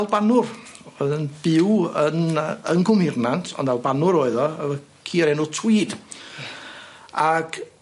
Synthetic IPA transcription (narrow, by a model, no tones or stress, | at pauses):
ɛlˠbanʊrðənb̥ɪwənəŋkʰʊmhɪrnantʰɔ̰ndvɛlˠbanʊɾoɨðɔəə | kʰiːɾɛnʊtʰw̥iːd | aɡ̥